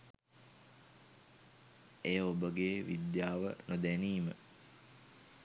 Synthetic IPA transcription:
ejəobəɡeːʋid̪jaːʋə̰nod̪æniːmə̰

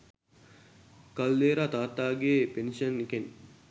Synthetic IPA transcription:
kɐlːeːɾaːt̪aːt̪aːɡeːpenʃəniken

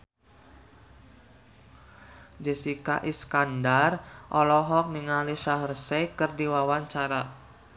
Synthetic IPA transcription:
d͡ʒəsikaʔiskandarʔɔlɔɦɔk̚niŋaliʃaɦərsekɨrdiwawaɲt͡ʃaɾa

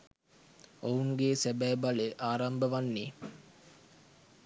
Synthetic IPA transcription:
ouŋɡeːsæbæːbaleʔaːɾambəʋanːe

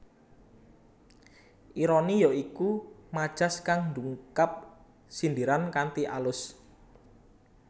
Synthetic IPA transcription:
ʔiɾɔnijɔikumad̥ʒ̥askaŋnd̪uŋkap̚ | sind̪iɾankant̪iʔalʊs

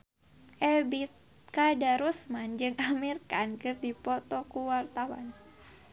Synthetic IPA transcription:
ʔɛbit̪̚ | kadaɾusmand͡ʒɨŋamirkankɨrdipɔt̪ɔkuwart̪awa̰n

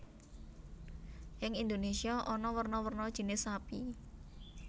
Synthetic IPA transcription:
jɪŋind̪onesiaʔɔnɔwərnɔwərnɔd̥ʒ̥i̤nɪsapi

